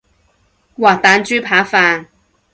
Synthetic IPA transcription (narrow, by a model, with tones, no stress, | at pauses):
waː˨˩t̪aː˨˧nt͡ʃyː˥pʰaː˨˥faː˧